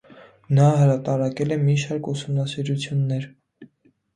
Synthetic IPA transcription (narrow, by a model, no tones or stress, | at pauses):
nɑɦəɾɑt̪ɑɾɑkɛlɛmiʃɑɾkusumnɑsiɾut͡sʰjunːɛɾ